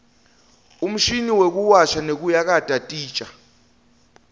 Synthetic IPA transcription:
um̩ʃiniwek̬uwaʃanek̬ujak̬atʼatʼi̥ːt͡ʃʼa

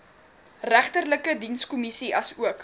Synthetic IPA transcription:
ræχtərləkədinskɔmisiʔɐsuək

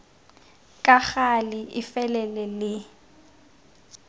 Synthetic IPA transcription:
kʼak͡xalɪɪfɛlɛlɛlɪ

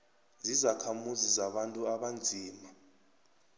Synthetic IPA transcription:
zizakʰamuzizaɓantʼuaɓand͡zʱiːma

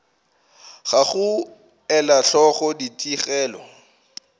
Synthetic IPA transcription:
χaχʊ | ɛlaɬɔχɔditʼiχɛːlɔ̰

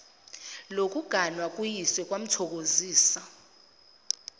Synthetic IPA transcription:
lok̬ʼuɡ̥ʱanwak̬ʼujiswɛk̬ʼwam̩tʰɔk̬oziːsa

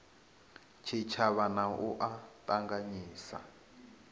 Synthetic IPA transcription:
t͡ʃʰit͡ʃʰaβanaʔuʔatʼaŋɡaɲiːsa̰

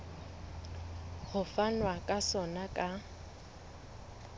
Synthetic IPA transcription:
ɣʊfanwakʼasɔnakʼa

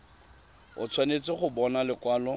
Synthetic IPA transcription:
ʊ̰t͡sʰwanet͡sʼɪχʊbɔnalɪkwaːlɔ

